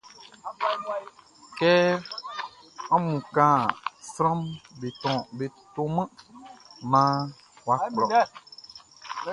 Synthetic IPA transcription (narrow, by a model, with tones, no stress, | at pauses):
kɛ˦ | ɔ̃˦mũ˨kã˦sɾɔ̃˦mbe˨t̪ɔ̃˨be˨t̪o˦mə̃˦ | mã˦ | wwa˦˨klɔ˨